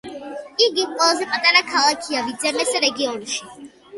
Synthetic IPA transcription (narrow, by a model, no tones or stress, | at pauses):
iɡikʼɛlazɛpʼat̪ʼaɾakʰalˠakʰiavid̪zɛmɛsɛɾɛɡiɔnʃi